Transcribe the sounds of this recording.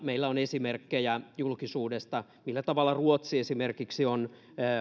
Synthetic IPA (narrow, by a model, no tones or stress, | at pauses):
meilːæonesimerkːejæjulkisuːdest̪ɑ | milːæt̪ɑʋɑlːɑruot̪siesimerkiksionː